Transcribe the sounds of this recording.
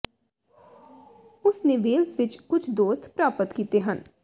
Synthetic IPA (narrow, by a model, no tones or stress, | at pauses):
ʊsnẽːʋeːlzʋɪt͡ʃkʊt͡ʃʰd̪oːst̪pɾaːpət̪kiːt̪eːɦən